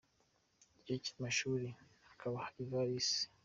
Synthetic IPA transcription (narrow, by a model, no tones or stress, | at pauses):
ɟici̥maʃuːɾihakʰaβahaivaɾisi̥